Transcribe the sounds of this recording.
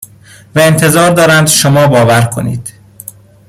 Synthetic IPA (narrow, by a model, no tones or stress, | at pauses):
væent̪ʰe̞zɒːɾd̪ɒːɾænd̪ʃomɒːbɒːvæɾkʰo̞̰nḭːd̪̥